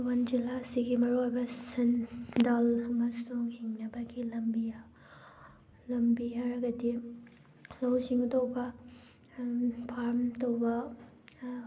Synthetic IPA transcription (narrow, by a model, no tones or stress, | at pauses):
wɐnd͡ʒilːasiɡimɐɾuajbɐsɐndalŋɐsuŋhiŋnɐbɐɡilɐmbija | lɐmbiaɾɐɡɐdi | lɐwsiŋudowbɐ | pʰaɾmtowbɐ